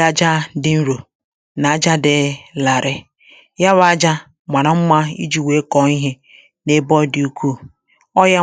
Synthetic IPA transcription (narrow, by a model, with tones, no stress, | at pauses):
a˦d͡ʒa˦dɪ˦n̩˦ɾo˨ | na˨a˦d͡ʒa˦dɪ˨˦la˨ɾɪ˦ | ja˦βa˨˦a˦d͡ʒa˦ | ma˨ɾa˨m̩˦ma˦ḭ˦d͡ʒi˨we˨˦kɔ˨˦i˦ɦe˦ | ne˦bɔ˦di˨˦u˦kʰʷu˦˨ | ɔ˦ja˦